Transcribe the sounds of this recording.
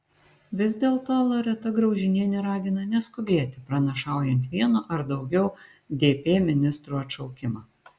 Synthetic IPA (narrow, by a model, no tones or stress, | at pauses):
ʋʲɪzd̪ʲeːlˠt̪oːlˠɐɾʲɛt̪ɐɡɾɒʊʒʲɪnʲiɛnʲɛɾɑːɡʲɪnɐnʲɛskʊbʲeːt̪ʲɪpɾɐnɐʃɑˑʊjɛnʲt̪ʋʲiɛnoʔɐɾd̪ɒʊɡʲɛʊ | d̪ʲeːpʲeːmʲɪnʲɪst̪ɾuːɐtʃɒʊkʲɪmɑː